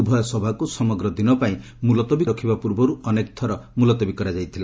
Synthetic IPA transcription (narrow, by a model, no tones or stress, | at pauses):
bʱɔjɔsɔbʱakusɔmɔɡɾɔd̪inɔpaĩ | mulɔt̪ɔbiɾɔkʰibapuɾbɔɾuʔɔnekɔt̪ʰɔɾɔmulɔt̪ɔbikɔɾad͡ʒajt̪ʰila